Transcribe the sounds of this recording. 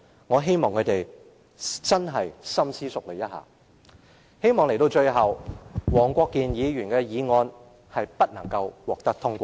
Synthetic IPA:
ŋɔː˨˧ɦe˥jmɔː˨ŋkʰɵ˨˧˥t̪e˨j | t͡sɐ˥nɦɐ˨jsɐ˥msiː˥sʊ˨k̚le˨˩jɐ˥t̚ha̰ː˨˩ | he˥jmɔː˨ŋle˨˩jt̪o˧wt͡ʃɵ˧ɥɦɐ˨wwɔː˨˩ŋkʷɔː˧kːiː˨njiː˨˧jyː˨˩nkɛː˧jiː˨˧ŋɔː˧n | hɐ˨jpɐ˥t̚nɐ˨˩ŋkɐ˧wwɔː˨k̚t̪ɐ˥k̚t̪ʰʊ˥ŋkʷɔː˧˥

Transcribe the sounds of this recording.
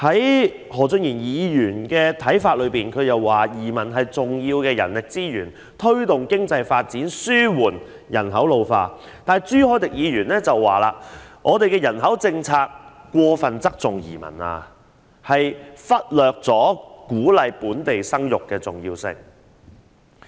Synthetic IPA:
hɐ˨˥j | hɔː˨˩t͡sɵ˧njiː˨˩njiː˨˧jyː˨˩nkɛː˧t̪ʰɐ˨˥jfaː˧t̚lɵ˨˧ɥpiː˨nkʰɵ˨˧ɥjɐ˨wːaː˨˩jiː˨˩mɐ˨˩nɦɐ˨jt͡sʊ˨ŋjiː˧wkɛː˧jɐ̰˨˩nlɪ˨k̚t͡siː˥jyː˨˩n | t̪ʰɵ˥ɥt̪ʊ˨ŋkɪ˥ŋt͡sɐ˧jfaː˧t̚t͡siː˨˥nsyː˥wuː˨˩n | jɐ̰˨˩nɦɐ˨˥wlo˨˧wfaː˧ | t̪aː˨˩jt͡syː˥hɔː˥t̪ɪ˨k̚jiː˨˧ɥyː˨˩nɛː˥t͡sɐ˨wːaː˨˩la̰ː˧ŋʔɔː˨˧t̪e˨jkɛː˧jɐ˨˩nɦɐ˨˥wt͡sɪ˧ŋt͡sʰaː˧k̚kːʷɔː˧fɐ˨nt͡sɐ˥k̚t͡sʊ˨ŋjḭː˨˩mɐ̰˨˩na̰ː˨ | hɐ˨jfɐ˥t̚lœː˨k̚t͡sɔː˨˥kuː˨˥lɐ˨jpuː˨˥nt̪e˨jsɐ˥ŋjʊ˨kːɛː˧t͡sʊ˨˩ŋjiː˧wsɪ̰˧ŋ

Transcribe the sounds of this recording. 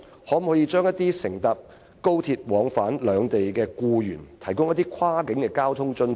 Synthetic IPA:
hɔː˨˥m̩˨˩hɔː˨˥jiː˧t͡ʃœː˥ŋjɐ˥t̪iː˥sɪ˨˩ŋt̪ɐ˨p̚ | ko˥wt̪ʰiː˧t̚wɔː˨˧ŋfaː˨˥nlœː˨˧ŋt̪e˨jkɛː˧kuː˧jyː˨˩nt̪ʰɐ˨˩jkʊ˥ŋjɐ˥t̪iː˥kʰwaː˥kɪ˨˥ŋkɛː˧kaː˥wt̪ʰʊ˥ŋt͡ʃɵ˧n

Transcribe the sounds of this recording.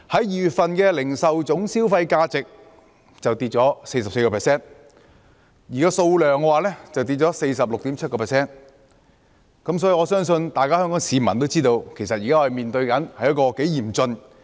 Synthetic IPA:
hɐ˨˥jjyː˨t̚fɐ˨nkɛ˧lɪ˨˩ŋsɐ˨wt͡sʊ˨˥ŋsiː˥wfɐ˧jkaː˧t͡sɪ˨k̚ | t͡sɐ˨wt̪iː˧t̚t͡ʃɔː˨˥se˧jsɐ˨p̚se˧jkɔː˧pʰːsɛː˥n | jiː˨kaː˥so˧wlœː˨ŋkwaː˨lɛː˥t͡sɐ˨wt̪iː˧t̚t͡ʃɔː˨˥se˧jsɐ˨p̚lʊ˨k̚t̪iː˨˥mt͡sʰɐ˥t̚kɔː˧pʰɛː˨˩sɛː˥n | kɐ˨˥msɔ˨˥jiː˨˧ɔː˨˧sœː˥ŋsɵ˧nt̪aː˨jkaː˥hœː˥ŋkɔː˨˥ŋsiː˨˧mɐ̰˨˩nt̪o˥wt͡siː˥t̪o˧wkʰe˨˩jsɐ˨t̚jiː˨kaː˥˧ɐ˨jmiː˨nt̪ɵ˧ɥkɐ˨˥nhɐ˨jɐ˥kɔː˧ke˨˥jjiː˨˩mt͡sɵ˧n

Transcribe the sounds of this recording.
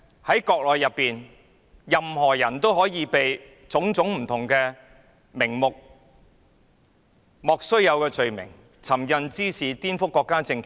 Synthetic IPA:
hɐ˨˥jkɔː˧k̚lɔː˨jːɐ˨pːiː˨n | jɐ˨mhɔː˨˩jɐ˨˩nt̪o˥wɦɔː˨˥jiː˨˧pe˨j | t͡sʊ˨˥ŋt͡sʊ˨˥ŋm̩˨˩t̪ʰʊ˨˩ŋkɛː˧ | mɪ˨˩ŋmʊ˨k̚ | mɔː˨˧k̚sɵ˥ɥjɐ˨˧wkɛː˧t͡ʃɵ˨ɥmɪ̰˨˩ŋ | t͡sʰɐ˨˩mjɐ˨˧nt͡siː˥siː˨˩t̪iː˥nfʊ˥kːɔː˧kːaː˥t͡sɪ˧ŋkʰ

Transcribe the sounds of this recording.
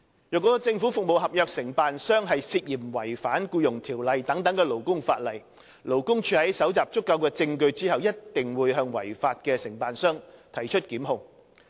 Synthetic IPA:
jœː˨˩kːɔː˨˥kɔ˧t͡sɪ˧ŋfu˨˥fʊ˨k̚mo˨wɦɐ˨p̚jœː˨˧k̚sɪ˨˩ŋpaː˨nsœː˥ŋɦɐ˨jsiː˧t̚jiː˨˩mwɐ˨˩jfaː˨˥nkuː˧jʊ˨˩ŋt̪ʰiː˨˩wlɐ˨jt̪ɐ˨˥ŋt̪ɐ˨˥ŋkɛː˧lo˨˩wkʊ˥ŋfaː˧t̚lɐ˨˩j | lo˨˩wkʊ˥ŋt͡ʃʰyː˨˧hɐ˨˥jsɐ˨˥wt͡saː˨p̚t͡sʊ˥kːɐ˧wkɛː˧t͡sɪ˧ŋkɵ˧ɥt͡siː˥hɐ˨wjɐ˥t̚t̪ɪ˨ŋwuː˨˧jɦœː˧ŋwɐ˨˩jfaː˧t̚kɛː˧sɪ˨˩ŋpaː˨nsœː˥ŋt̪ʰɐ˨˩jt͡ʃʰɵ˥t̚kiː˨˥mɦʊ˧ŋ

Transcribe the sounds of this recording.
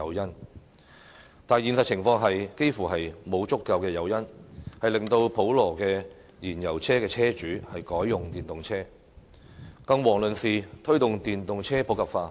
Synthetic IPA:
ɐ˨˧wjɐ˥n | t̪aː˨jiː˨nsɐ˨t̚t͡ɕʰɪ˨˩ŋfɔː˧ŋɦɐ˨jke˥jfuː˨˩hɐ˨jmo˨˧wt͡sʊ˥kkːɐ˧wkɛː˧jɐ˨˧wjɐ˥nhɐ˨jlɪ˨ŋt̪o˧wpʰo˨˥wlɔː˨˩kɛː˧ | jiː˨˩njɐ˨˩wt͡sʰɛː˥kɛː˧t͡sʰɛː˥t͡ʃyː˨˥hɐ˨jkɔː˨˥jːʊ˨ŋt̪iː˨˩nt̪ʊ˨ŋt͡sʰɛː˥ | kɐ˧ŋwɔː˨˩ŋlɵ˨nsiː˨˩t̪ʰɵ˥ɥt̪ʊ˨ŋt̪iː˨nt̪ʊ˨ŋt͡sʰɛː˥pʰo˨˥wkʰɐ˨˩p̚faː˧

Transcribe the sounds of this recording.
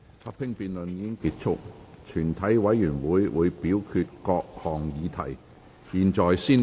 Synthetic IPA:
hɐ˨˥p̚hɪ˥ŋpiː˨nlɵ˨niː˧kɪ˥ŋkiː˧˥t̚t͡ʃʰʊ̰˥k̚t͡ʃʰyː˨˩nt̪ʰɐ˨˥jwɐ˨˧˥jːyː˨˩nwuː˨˥jwṵː˨˧jpiː˨˥wkʰy˧t̚kɔː˧k̚hɔː˨˩ŋjiː˨˧t̪ʰɐ̰˨˩j | jiː˨nt͡ʃɔː˨jsiː˥n

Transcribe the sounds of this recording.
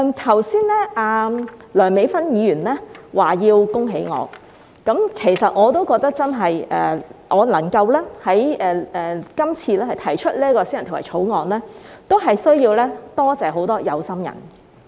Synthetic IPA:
t̪ʰɐ˨˩wsiː˥nlɛː˥ʔaː˨˩lœː˨˩nme˨˧˥jfɐ˥njiː˨˧jyː˨˩nlɛː˥waː˨˩jiː˧wkʊ˥ŋɦe˨˥jŋɔ̰ː˨˧ | kɐ˨˥mkʰe˨˩jsɐ˨t̚ŋɔː˨˧t̪o˥wkɔː˧k̚t̪ɐ˥k̚t͡sɐ˥nɦɐ˨jʔɛ̰ː˧ʔɔː˨˧lɐ˨˩ŋkɐ˧wlɛː˥hɐ˨˥jɛː˨˧ɛː˨kɐ˥mt͡sʰiː˧lɛː˥hɐ˨jt̪ʰɐ˨˩jt͡ʃʰɵ˥t̚liː˥kɔː˧siː˥ɐ˨nt̪ʰːa̰˨˩t͡ʃʰo˨˥wŋɔː˨˧nlɛː˥t̪o˥wɦɐ˨jsɵ˥ɥjiː˧wlɛː˥t̪ɔː˥t͡sɛː˨˧ɦo˨˥wt̪ɔː˥jɐ˨˧wsɐ˥mjɐ̰˨˩n

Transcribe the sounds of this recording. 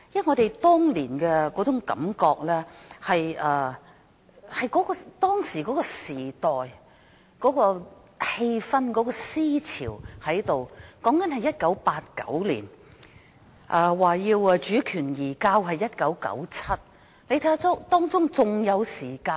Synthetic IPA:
jɐ˥ŋɔː˨˧d̪e˨jt̪ɔː˥ŋliː˨˩nkɛː˧kɔː˨˥t͡sʊ˨˥ŋkɐ̰˨˥mkɔː˧k̚lɛː˥hɐ˨jʔɐː˧˩ | hɐ˨jkɔ˨˥kɔː˧t̪ɔː˥ŋsiː˨˩kɔː˨˥kɔː˧siː˨˩t̪ɔː˨j | kɔː˨˥kɔː˧ | he˧jfɐ˧nkɔː˨˥kɔː˧siː˥t͡sʰḭː˨˩whɐ˨˥jt̪o˨wkɔː˨˥ŋkɐ˨˥nhɐ˨jɐ˥t̚kɐ˨˥wpaː˧t̚kɐ̰˨˥wlḭː˨˩n | ʔɐ˨˧waː˨jiː˧wɐ˧t͡ʃyː˨˥kʰyː˨˩njiː˨˩kaː˧wɦɐ˨jːɐ˥t̚kɐ˨˥wkɐ̰˨˥wt͡sʰɐ˥t̚ | le˧jt̪ʰɐ˨˥ja˥tt̪ɔː˥ŋt͡sʊ˥ŋt͡sʊ˨ŋjɐ˨˧wsiː˨˩kaː˧n

